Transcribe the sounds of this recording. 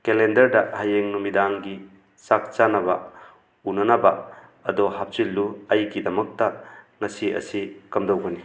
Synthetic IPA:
kelendɐɾdɐhajeŋnumidaŋɡi | sak̚t͡ʃanɐba | unɐnaba | ɐdɔhap̚t͡ʃilːuɐjkidɐmɐk̚tɐ | ŋɐsiɐ̰sikɐmdowɡɐni

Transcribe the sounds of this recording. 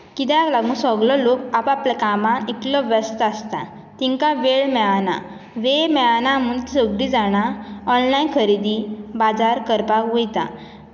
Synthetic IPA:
kid̪aɡlaɡũsɔɡlɔlokapaplɛkamãniklɔʋəst̪ast̪a | t̪ĩŋkaʋeɭmɛana̰ | ʋemɛanamunt̪səɡɽid͡zaɽ̃aɔnlainkʰəɾid̪ibad͡zaɾkəɾpakʋujt̪a̰

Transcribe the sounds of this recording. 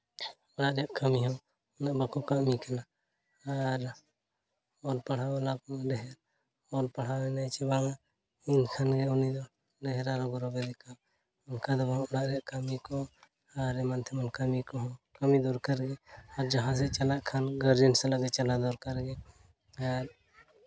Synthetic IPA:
ɔɽaʔɾaʔkamiɦɔw | ɔnaʔbakɔkaʔmikana | aɾ | ɔlpaɽ̤awɛlapmaɖɛɦɛɾ | ɔlpaɽ̤awɛnat͡ʃɛbaŋa | inkʰanɡɛɔnid̪ɔ | ɖɛɦɛɾaɾɔɡɔɾɔbɛd̪ɛka | ɔnkʰad̪ɔbɔʔɔɽaʔɾɛʔkamikɔ | aɾɛmant̪ʰɛmankamikɔɦɔ̃kamid̪uɾkaɾɡɛaɾd͡ʒaɦãs̬ɛt͡ʃalaʔkʰanɡaɾd͡ʒɛnsɛlaɡɛt͡ʃalad̪ɔɾkaɾɡɛ | aɾ

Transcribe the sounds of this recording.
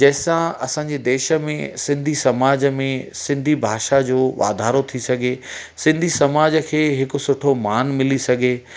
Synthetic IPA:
d͡ʑɐːɪsãɐsãːɲ̆d͡ʑed̪eːʃə̆mḛ̃sɪ̃nd̪ʱisɐmaːd͡ʑəmẽsɪ̃nd̪ʱibʱaːʃad͡ʑoːʋa̰ːd̪ʱaːɾot̪ʰisɐɡʱesɪ̃nd̪ʱisɐmaːd͡ʑəkʰeːɦɪkʊ̆sʊʈʰomaːnmɪlisɐɡʱe

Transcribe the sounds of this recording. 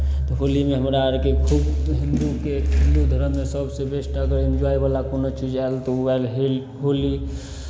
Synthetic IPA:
t̪ɔɦolimeɦəmɾaɾkekʰubɦind̪ukeɦĩnd̪ud̪ʱəɾəmːesəbʱsebesʈəɡəɾind͡ʒuajbalakonot͡ʃid͡ʒaelt̪ɔualɦel | ɦoli

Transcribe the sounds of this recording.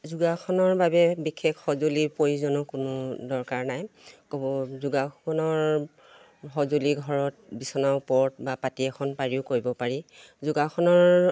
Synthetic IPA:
zuɡakʰɔnɔɹbabɛbikʰekhɔzolipoɹizɔnɔkʊnʊdɔɹkaɹnajkobɔzuɡakɔnɔɹ | ɦɔzoliɡʱɔɹɔt̚bisɔnaʊpɔɹtbapatiɛkʰɔnpaɹiʊkoɹibɔpaɹizuɡakʰɔnɔɹ

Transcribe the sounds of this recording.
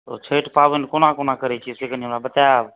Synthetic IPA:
oːt͡ʃʰeːʈpaːʋənkonãːkoːnãːkəɾeːt͡ʃʰiseːkənimnaːbət̪aːʋ

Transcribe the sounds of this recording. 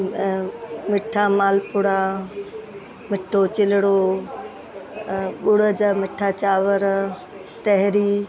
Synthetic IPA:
mɪʈʰamaːlpʊɽa | mɪʈʰot͡ɕɪlɪɽo | ɓʊɽəd͡ʑamɪʈʰat͡ɕaːʋəɾ | t̪ɛɦɾiː

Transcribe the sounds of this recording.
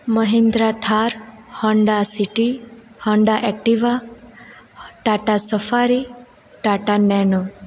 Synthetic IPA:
məɦĩnd̪ɾat̪ʰaɾhɔɳɖasiʈi | hɔɳɖaʔɛk̚ʈiʋa | ʈaʈasəfaɾi | ʈaʈanɛno

